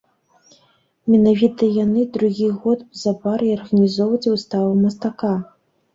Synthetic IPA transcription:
mʲɛnavʲit̪ɐjanɨd̪ɾuɣʲiɣɔt̪z̥abaɾiɔrɣɐnʲizɔvɐt͡sʲwst̪avɨmɐst̪aka

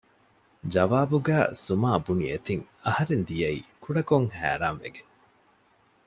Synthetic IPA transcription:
d͡ʒɐʋaːbuɡæːsumaːbuniḛt̪iŋ | ɐhɐɾend̪ijɐiːkʰuɽɐkoŋhæ̰ːɾaːnʋḛɡe

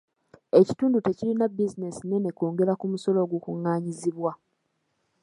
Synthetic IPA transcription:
e̞ci̥tuːndute̞cilinabizine̞sine̞ne̞koːŋɡe̞ɾakumuso̞lo̞ːɡukuŋːaːɲiziβwa

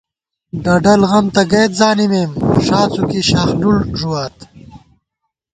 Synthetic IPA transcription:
ɖɐɖɐlɣɐmt̪ɐɡejt̪̚zaːnimeːmʂaːt͡sukiɕaːxnulʐuwaːt̪

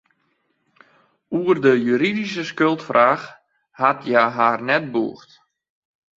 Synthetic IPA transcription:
uərdəjyːɾidisəskølˠtfrʔaːx | hatjaɦaːrnɛt̚bṵəxt

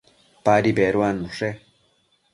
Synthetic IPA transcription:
paɾibeɾwanuʂe

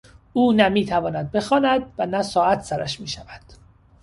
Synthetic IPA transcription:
uːnæmiːt̪ʰævɒːnæd̪̚be̞xɒːnæd̪vænæsɒːæt̪ʰsæɾæ̰ʃmiːʃævæd̪̥

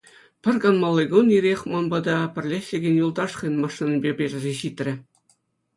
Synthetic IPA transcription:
pʲɘ̆rʲɡɑnmɑlˠːɤ̆ɡoniɾʲexʲmɑnbɑd̪ɑpʲɘ̆rʲlʲesʲlʲɘ̆ɡʲɘ̆nʲjulˠd̪ɑʂχɤ̆nʲmɑʂːinʲɘbʲebʲerʲɘ̆zʲeɕit̪ʲrʲɘ̆

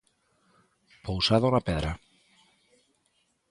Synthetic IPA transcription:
powsaðonapeðɾa

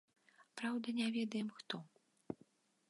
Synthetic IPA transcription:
pɾawd̪ɐnʲavʲɛd̪ɐjɛmxt̪ɔ

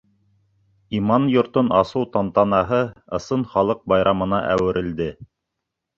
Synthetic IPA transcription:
imɑnjŏɾt̪onɑsɤwt̪ɑnt̪ɑnɑɦɤɤ̆sɤnχɑlˠɤq̚bɑjɾɑmɤ̆nɑʔæ̰wɘ̆ɾʔɘ̆ld̪ɘ

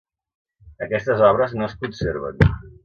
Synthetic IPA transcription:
əkɛst̪əzɔβ̞ɾəznoəskunseɾβə̰n

